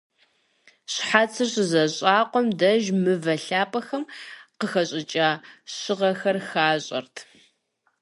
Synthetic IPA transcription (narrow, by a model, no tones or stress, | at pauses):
ɕħat͡sʰɨrɕzɐɕʼaːqʷɔmdɐʒmɨvɐɬaːpʼɐxɐmqəxɐɕʼɪt͡ʃʼaːɕɪʁɐxɐrxaːɕʼɐ̰rtʰ